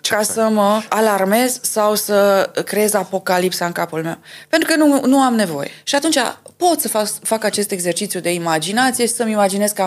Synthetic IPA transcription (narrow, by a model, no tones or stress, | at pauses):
kasəməalarme̞zsawsəkɾeezapo̞kalipsaɨŋkapulme̞̰wpe̞nt̪ɾukənunuamne̞vo̞̰je̞̰ʃiat̪unt͡ʃʲa̰po̞t̪səfafakat͡ʃe̞st̪e̞ɡze̞rt͡ʃit̪sjud̪e̞imad͡ʒinat̪sije̞ʃi̥səmimad͡ʒine̞zk